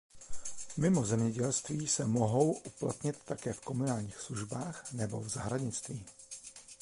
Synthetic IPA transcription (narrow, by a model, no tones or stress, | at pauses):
mɪmo̞zɛmɲɛɟɛlst̪viːsɛmoɦo̞wʔuplat̪ɲɪt̪ːakɛːfko̞munaːlɲiːxsluʒbaːxnɛbo̞̰vzaɦɾaɲɪt͡st̪viː